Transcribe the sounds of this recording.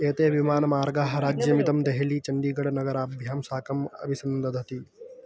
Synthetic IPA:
eːt̪eːʋimaːnɐmaːɾɡaːɦɐ̆ɾaːd͡ʒjɐmid̪ɐmd̪eɦɐlit͡ʃɐɳɖiːɡɐɽɐnɐɡɐɾaːbʱjaːmsaːkɐmɐ̰bʱisɐnd̪ɐd̪ʱɐt̪i

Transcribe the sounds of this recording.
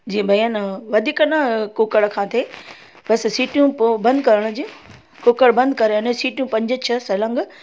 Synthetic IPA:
d͡ʑiːẽbʱɐjənʋɐd̪ʱiːkənɐkoːkəɽkʰãːt̪ʰe | bɐssiːʈjũbɐ̃nd̪kɐɾəɽ̃ʊd͡ʑi | koːkəɽbɐ̃nd̪̚kɐɾeɐnesiːʈjũpɐ̃ɲd͡ʑət͡ɕʰɐsɐlə̃ŋɡ

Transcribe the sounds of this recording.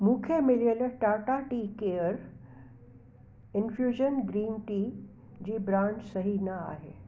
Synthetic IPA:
mũːkʰemɪljəlʈaːʈaʈiːkeəɾ | ɪnfjuːʒənɡɾiːnʈiː | d͡ʑiːbɾãːɳd͡ʒsɐɦinɐa̰ːɦeː

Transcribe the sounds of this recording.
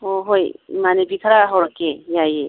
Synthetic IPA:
oɦojmanebik̪ʰɾaɦɔɾkejaje

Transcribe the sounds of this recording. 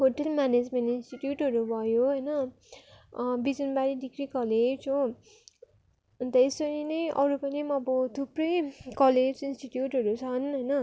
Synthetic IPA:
ɦoʈʌlmaned͡zmenʈinsʈiʈjuʈɦʌɾubʱʌjoɦʌjnʌ | bid͡zʌnbaɾiɖikrikʌled͡zd͡zʰo | t̪ʌspʌninʌjʔʌ̰ɾupʌnimʌbʌd̪ʰʱuprʌjkʌled͡zinsʈiʈjuʈɦʌɾut͡sʰʌnɦʌjnʌ

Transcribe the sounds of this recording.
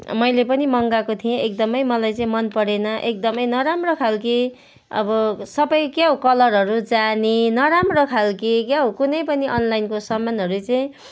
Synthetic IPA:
mʌjlepʌnimʌŋɡakot̪ʰijẽʔek̚d̪ʌmʌjmʌlajt͡sʌĩmʌnpʌɽenʌʔek̚d̪ʌmʌjnʌɾamrokʰalki | ʌ̰bʌsʌbʌjkjaɦokʌlʌrɦʌɾud͡zaninʌɾamrokʰalkikjaɦokunʌjpʌniʔʌnlajnkosʌmːanɦʌɾut͡sʌĩ

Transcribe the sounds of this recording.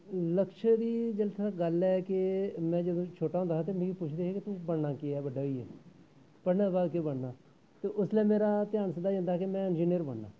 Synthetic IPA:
ləkʃəd̪iːd͡ʒəlt̪ʰaːɡəlɛːkemɛ̃ːd͡ʒəd̪õːt͡ʃʰoːʈaːɦõnd̪at̪̬eːmẽːɡiːpʊt͡ʃʰd̪eːɦɛːkɪt̪ũːbəɽnaːkɪɛːbəɖaːiːɛ̰ː | pəɽnãːbaːd̪kebəɽnaː | t̪eːʔʊsleːmeːɾaːt̪ɪjaːnsəd̪aːd͡ʒə̃nd̪aːɦɛkemɛ̃ːɪnd͡ʒiːnijəɾbəɽna̰ː

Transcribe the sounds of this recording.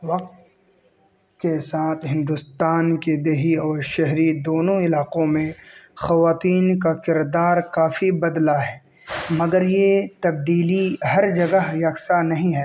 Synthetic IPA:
ʋɐq̚t̪ | kesaːt̪ʰɦɪ̃nd̪ʊst̪aːnked̪eːɦiɔːɾʃɛɦɾid̪oːnõɪlaːqõmẽxɐʋaːt̪iːnkakɪɾd̪aːɾkaːfibɐd̪laɦɛː | mɐɡəɾjet̪ɐb̚d̪iːliɦɐɾd͡ʒɐɡəɦjɐksanɐɦĩɦɛː

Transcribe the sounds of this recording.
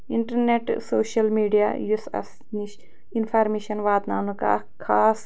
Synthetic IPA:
iɳʈɐɾneʈsoːʃɐlmiːɖijajusɐ̰s | niʃ | infʰaːɾmeːʃɐnʋaːt̪naːnuka̰ | kʰaːs

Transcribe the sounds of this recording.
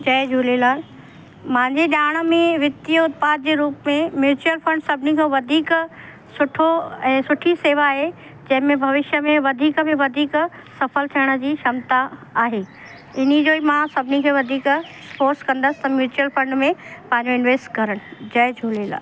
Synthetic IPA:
d͡ʑɐːjd͡ʑʱuːlelaː | mãɪ̃ɲd͡ʑeɗaːɽ̃ə̆mẽʋɪt̪ioʊt̪paːt̪̚d͡ʑeːɾuːpmẽmjuːt͡ɕuəlfɐ̃ɳɖsɐbʱɪnikʰoʋɐd̪ʱiːk | sʊʈʰoɛ̃ːsʊʈʰiseːʋaːɦe | d͡ʑɐ̃ɦɪ̃mẽbʱɐʋɪʃjəmẽʋɐd̪ʱiːkəmẽʋɐd̪ʱiːk | sɐfəlt̪ʰijəɽ̃ə̆d͡ʑiːʃɐmt̪aaːɦeː | ɪn̤id͡ʑoːimãsɐbʱɪnikʰeːʋɐd̪ʱiːk | spoːɾskɐ̃nd̪əsɪ̥t̪ɐmjuːt͡ɕuəlfɾɐ̃ɳɖmẽpɐ̃ɦɪ̃ɲd͡ʑoɪnʋeːsʈkɐɾəɽ̃ɪd͡ʑɐjd͡ʑʱuːlela̰ː

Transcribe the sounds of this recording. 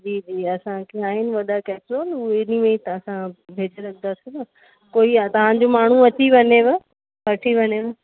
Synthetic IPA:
d͡ʑiːd͡ʑiːɐsãkʰeaːɦɪnɪ̆ʋɐɗakɛːpsoːluɪnimẽit̪ɐsãbʱeːd͡ʑeɾɐkʰənd̪asĩnɐ | koːiat̪ɐʋ̤ãd͡ʑomaːɳ̤uɐt͡ɕiʋɐɲeʋɪ | ʋɐʈʰiʋɐɲeʋɪ

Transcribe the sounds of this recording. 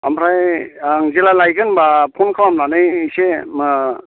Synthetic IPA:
amɾajaŋzelalajɡɯnbapʰɔnkʰawamlanɯjisemɯ

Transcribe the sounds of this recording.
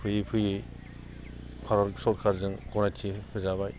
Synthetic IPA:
pʰɯjɯpʰɯjɯj | pʰaɾɔlsɔt̚kʰaɾzɯŋkɔnajtʰikʰɯzaβaj

